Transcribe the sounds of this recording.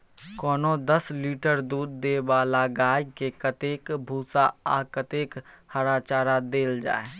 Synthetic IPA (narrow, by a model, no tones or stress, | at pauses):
kɔːnod̪əsliːʈəɾd̪uːd̪ːebaːlaɡaːikekət̪eːkbʱuːsaakət̪eːkhəɾaːt͡ʃaːɾad̪eːld͡ʒa̰ːe